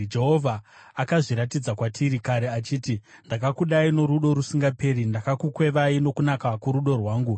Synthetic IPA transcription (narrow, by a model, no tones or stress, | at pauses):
d͡ʒeɦo̞vʱaː | kaʐiɾatid͡zakwatʰiɾikaɾeat͡ʃiːti | ndakakuɗaino̞ɾuɗo̞ɾusiŋɡape̞ːɾindakakukwe̞ʋaino̞kunakakuɾuɗo̞rwaːŋɡu